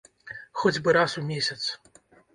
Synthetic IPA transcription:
xɔd͡zʲbɨɾasumʲesʲɐt̪s

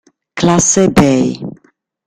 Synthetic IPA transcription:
klasɛbɛj

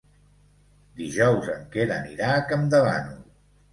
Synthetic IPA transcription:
d̪iʒɔwzəŋkeðəniɾakəmd̪əβa̰nu

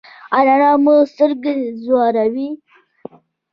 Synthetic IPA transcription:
aɾanɑmust̪əɾɡezwɑɾawi

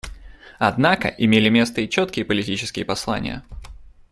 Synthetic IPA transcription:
ɐd̪nakə̰ʔɪmʲelʲɪmʲe̞st̪əit͡ɕot̪kʲɪjəpəlʲɪtʲit͡ɕɪ̥skʲɪjəpɐslˠa̰nʲɪ̰jə̰

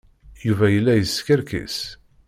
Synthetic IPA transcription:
juvæjəlːæjəskəɾkḭs

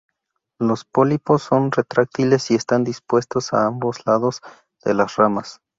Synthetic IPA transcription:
lo̞spolipo̞sːo̞nret̪ɾak̚t̪ile̞sie̞st̪and̪ispwe̞st̪o̞sa̰ambo̞zlaðo̞z | ð̥e̞̰lasramas

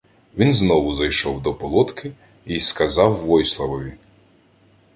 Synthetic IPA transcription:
ʋʲinznɔʋʊzɐjʃɔwd̪ɔpɔlˠɔt̪kʰɪ | iskɐzɑwːɔjslˠɐʋɔʋʲi

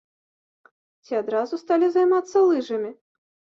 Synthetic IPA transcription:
t͡sʲiad̪ɾazust̪alʲizajmat̪sːɐlˠɨʐɐmʲi

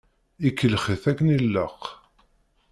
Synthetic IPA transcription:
ikːəlχiθækːənilːəq

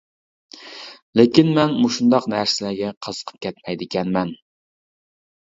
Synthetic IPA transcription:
lekʲinmɛnmuʃund̪ɑqnæɾsɪlæɾɡʲɛqʰəzə̥qʰə̥p̚kʲʰɛt̪mɛjd̪ɪkʲɛnmɛn

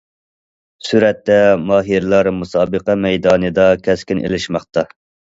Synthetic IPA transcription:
syɾɛt̪ːɛmɑːɦiɾlˠɑɾmusɑːbəqɛmɛjd̪ɑːnɨd̪ɑkʲʰɛskʲinʔḛlɪʃmɑχt̪ɑ

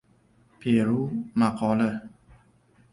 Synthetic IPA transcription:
pʰeɾumakʰɔːlə

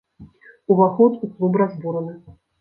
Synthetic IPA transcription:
uvaxɔt̪uklˠubɾazbuɾɐnɨ

